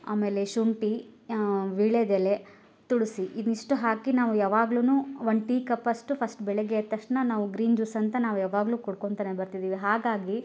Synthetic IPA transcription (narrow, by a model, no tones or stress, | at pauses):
a̰ːmeːle̞ʃuɳʈi | ʋiːɭed̪ele | t̪uɽusiʔid̪niʂʈuɦaːkinaːʋujaːʋaːɡluːnuːʋɐɳɖʈiːkɐpːɐsʈupʰɐsʈbɛɭeɡeːt̪ːɐʂʈnɐnaːʋuɡɾiːnd͡ʒuːsɐnt̪ɐnaːʋujaːʋaːɡluːkɔɽkoɳt̪aːnebɐɾt̪id̪iːʋiɦaːɡaːɡi